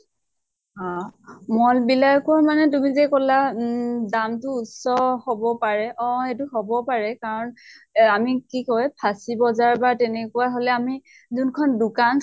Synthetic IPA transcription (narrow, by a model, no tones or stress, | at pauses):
hamɔlbilajkɔɹmanɛt̬umizekɔladamtʊːtsɔhobɔpaɹɛʔɔ̃xetʊɦobɔpaɹɛkaɹɔnamikikɔjpʰasibɔzaɹbaɹtɛnɛkuwaɦolɛami | zunkʰɔndʊkan